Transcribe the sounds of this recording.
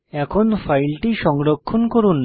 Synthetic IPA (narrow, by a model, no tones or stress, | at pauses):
ɛkʰonfajlʈiʃɔŋɾokʰːonkoɾunː